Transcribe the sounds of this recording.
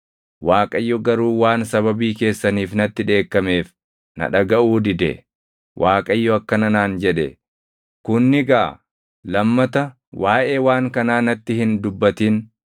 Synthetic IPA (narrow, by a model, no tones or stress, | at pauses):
waːkʼɐjːɔɡɐɾuːwaːnsɐβɐbiːke̞ːsːɐniːfnɐt̪ːɪᶑe̞ːkːɐme̞ːf | nɐ̰ᶑɐɡɐʔuːd̪ɪd̪ɛ̰ | wʔaːkʼɐjːɔɐkːɐnɐnaːnd͡ʒɛᶑɛ̰ | kʊnːɪɡa | lɐmːɐt̪ɐ | waːʔeːwaːŋkɐnaːnɐt̪ːɪhɪnd̪ʊbːɐt̪iːn